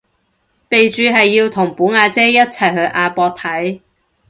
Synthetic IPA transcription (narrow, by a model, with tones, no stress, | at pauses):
pe˨jt͡ʃyː˧ɦɐ˨jːiː˧wt̪ʰʊ˨˩ŋpuː˨˥ŋaː˧t͡sɛː˥jɐ˥t̚t͡sʰɐ˨˩jɦɵ˧ɥʔaː˧pɔː˧k̚t̪ʰɐ˨˥j